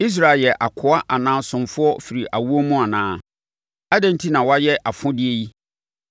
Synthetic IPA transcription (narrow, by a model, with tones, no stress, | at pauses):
i˦s̬ɾa˨ljɛ˨ʔa˨kʰʊ˨˦a˦ʔa˨nãː˦sʊ̃˨mfʊ˦ɔ˦fi˨ɾi˨ʔa˨wu˦o˦mũ˦a˨nãː˨˦ | a˦dɛ̃˦n˦tʰi˦nã˨wa˦jɛ˦ʔa˨fʊ̃˦dɪ˦e˦ji˦